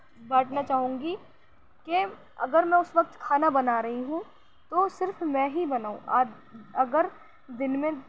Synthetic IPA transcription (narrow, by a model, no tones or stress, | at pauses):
baːʈʰnat͡ʃaːɦũːŋɡi | ke | ɐ̰ɡəɾmɛ̃ʊsʋɐk̚t̪kʰaːnabɐnaːɾɐɦiɦũ | t̪osɪɾfmɛ̃ɦibɐnaːũʔaː | ɐɡəɾ | d̪ɪnmẽ